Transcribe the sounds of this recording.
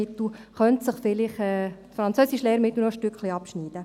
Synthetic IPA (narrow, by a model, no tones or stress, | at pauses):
ɪt̪l̩χœnt̪sɪχfɪlɪχɛːtfɾɑnt͡søːsiʃleːɾmɪt̪l̩ˠnɔʃtʏkχliɑpʃniːd̥ə